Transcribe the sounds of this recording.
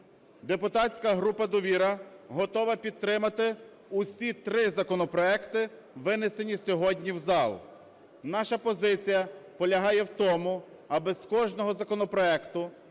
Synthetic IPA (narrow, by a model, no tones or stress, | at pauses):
d̪epʊt̪ɑtt͡sʲkɐɦɾupɐd̪ɔʋʲiɾɐɦɔt̪ɔʋɐpʲid̪̚t̪ːɾɪmɐt̪ɪ | ʊsʲit̪ɾɪzɐkɔnɔpɾɔɛkt̪ɪ | ʋɪnesenʲisʲɔɦɔdʲnʲiwzɑlˠ | n̪ɑʃɐpɔzɪt͡sʲijɐpɔlʲɐɦɑjɛwt̪ɔmʊ | ɐbɪzkɔʒnɔɦɔzɐkɔnɔpɾɔɛkt̪ʊ